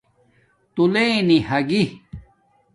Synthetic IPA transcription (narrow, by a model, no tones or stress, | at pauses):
t̪uleːnihɐɡi